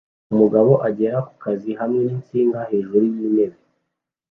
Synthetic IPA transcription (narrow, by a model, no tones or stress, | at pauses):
umuɡaβo̞ʔaɟe̞ɾaku̥kaziɦamŋe̞niːnt͡siːŋɡahe̞ːʒuɾuβjiːne̞βe